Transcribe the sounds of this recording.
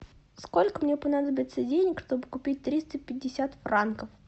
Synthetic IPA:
sko̞lʲkəmnʲepɐnad̪əbʲɪt̪sədʲenʲɪkʂt̪o̞bɨkʊpʲit̚ʲt̪ɾʲist̪əpʲɪdʲːɪsʲat̪frankəf

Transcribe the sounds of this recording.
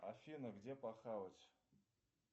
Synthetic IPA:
afʲinaɡdʲepʼaχawat͡ʃʰʼ

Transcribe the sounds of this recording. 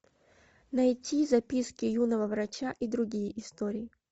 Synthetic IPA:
nɐjtʲizɐpʲiskʲɪjunɐvɐvɾɐt͡ɕaʔid̪ɾʊɡʲijiʔist̪ɔɾʲiji

